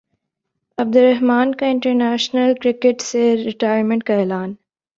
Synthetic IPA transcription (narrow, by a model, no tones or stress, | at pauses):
ɐb̚d̪ʊɾɐɦmaːnkãɪ̃ɳʈəɾnæːʃnəlkɾɪkeʈseɾɪʈaːɪjəɾmẽɳʈ̚kaeːlaːn